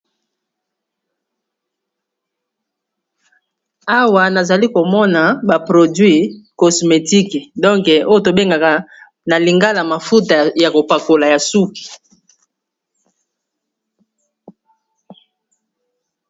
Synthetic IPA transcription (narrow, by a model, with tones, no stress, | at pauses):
a˦wa˨na˨za˨li˦ko˨mɔ˦na˨ba˨pʁo˨dɥi˦kɔ˨sme˨ti˦kɛ˨dɔ̃˦ŋkɛ˨o˦jo˨to˨be˦ŋɡa˨ka˨ | na˨li˨ŋɡa˦la˨ma˨fu˦ta˨ja˨ko˨pa˨ko˨la˨ja˨su˦ki̥˨